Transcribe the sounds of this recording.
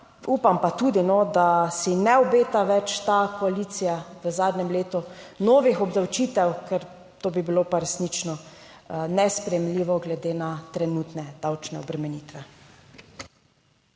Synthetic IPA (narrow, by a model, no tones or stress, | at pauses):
upampat̪ud̪inɔd̪asinɛɔbeːt̪aʋɛt͡ʃt̪akɔaliːt̪sijaʋəzaːd̪nɛmleːt̪unɔːʋixɔbd̪awt͡ʃiːt̪ɛwkɛɾ | t̪oːbibilopaɾɛsnit͡ʃnɔ | nɛspɾɛjɛmliʋɔɡlɛd̪eːnat̪ɾɛnuːt̪nɛd̪̥awt͡ʃnɛɔbɾɛmɛniːt̪ʋɛ